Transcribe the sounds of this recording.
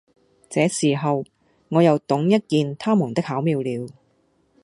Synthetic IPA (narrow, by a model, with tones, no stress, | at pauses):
t͡sɛː˨˧siː˨˩ɦɐ˨w | ŋɔː˨˧jɐ˨wt̪ʊ˨˥ŋjɐ˥t̚kiː˨˧nt̪ʰaː˥muː˨˩nt̪ɪ˥k̚haː˨˥wmiː˨˧wliː˨˧w